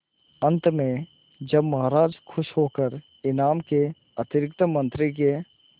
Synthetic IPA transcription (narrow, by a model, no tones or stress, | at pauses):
ə̃nt̪mẽ | d͡ʒəbmɐɦaɾaːd͡ʒkʰʊʃɦoːkəɾ | ɪnaːmke | ət̪ɪɾɪkt̪əmə̃nt̪ɾike